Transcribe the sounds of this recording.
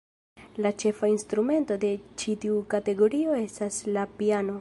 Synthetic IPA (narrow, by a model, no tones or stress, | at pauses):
lat͡ʃe̞fainstɾume̞nto̞de̞t͡ʃitiukate̞ɡo̞ɾio̞e̞staslapiano̞